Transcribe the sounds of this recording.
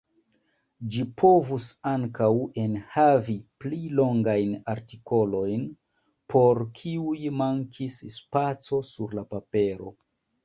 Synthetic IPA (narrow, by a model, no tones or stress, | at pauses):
d͡ʒipʰo̞vusaŋkawe̞nhaviplilo̞ŋɡajnaɾtiko̞lo̞jn | pʰo̞ɾkʰiujmaŋkʰisspat͡so̞suɾlapape̞ɾo̞